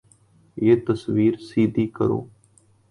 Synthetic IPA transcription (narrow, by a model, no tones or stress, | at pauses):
jeːt̪əsʋiːɾsiːd̪ʱiːkəɾo̰ː